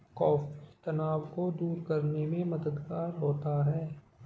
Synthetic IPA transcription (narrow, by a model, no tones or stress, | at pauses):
kɔːfit̪ɐnaːʋkod̪uːɾkɐɾnemẽmɐd̪əd̪ɡaːɾɦoːt̪aɦɛː